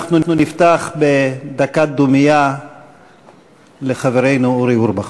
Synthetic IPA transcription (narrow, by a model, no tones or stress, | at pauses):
χnununift̪aχbed̪akad̪umija | leχaveɾejnuuɾiuɾbaχ